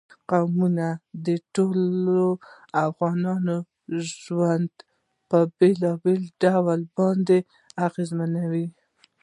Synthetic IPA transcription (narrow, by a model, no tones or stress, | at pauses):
qawmunad̪əʈolo | afɣɑnɑno | ʒwand̪ | pəbelɑbelɖawalbɑnd̪e | aɣezmanawi